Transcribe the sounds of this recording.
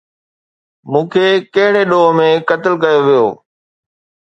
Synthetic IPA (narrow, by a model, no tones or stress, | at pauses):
mũːkʰeːkɐɦɪɽeːɗoːɦmẽkət̪əlkəjoʋijoː